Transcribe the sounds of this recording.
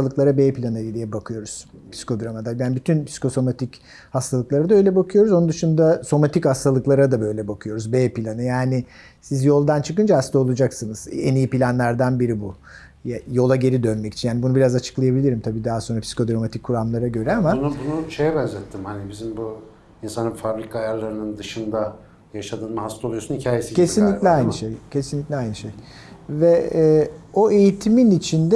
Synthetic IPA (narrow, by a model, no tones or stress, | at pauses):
lˠɯklˠaɾabeːpʰilʲanɯid̪ʲijɛbakʰɯjo̞ɾuz̥pʰsi̥kʰo̞d̪ɾamad̪abænbyt̪ʰynpsi̥kʰo̞so̞mat̪ʰic | hast̪ʰalˠɯklˠaɾad̪aø̞jlʲɛbakʰɯjo̞ɾuzound̪ɯʃund̪aso̞mat̪ichast̪ʰalˠɯklˠaɾad̪abø̞jlʲɛbakʰɯjo̞ɾuzbeːpilʲanɯjaːnɪ | sizjo̞lˠd̪ant͡ʃʰɯkɯnd͡ʒaːst̪ao̞lˠud͡ʒaksɯnɯz̥enijipilʲanlʲæɾd̪ænbiɾibu | jo̞lˠaɟe̞ɾid̪ønmɛci̥t͡ʃʰinjaːnibunubiɾazat͡ʃʰɯ̥klˠajabilʲiɾimt̪ʰabiːd̪aɦaso̞nɾapsi̥kʰo̞d̪ɾomat̪ʰikʰːuɾamlˠaɾaɟø̞ɾɛamaunubunuʃejɛbɛnzʲɛt̪ʰːimhanibizimbu | insanɯmfabɾikʰaaːjaɾlˠaɾɯnɯnd̪ɯʃɯnd̪a | jaʃad̪ɯːnmaɦast̪ˠolˠjosun̩hicʰaːjesie̞sinlʲicʲlʲiajnɯʃejcʰe̞sinlʲiclʲiajnɯʃej | vɛː | o̞e̞jit̪ʰiminit͡ʃʰind̪ɛ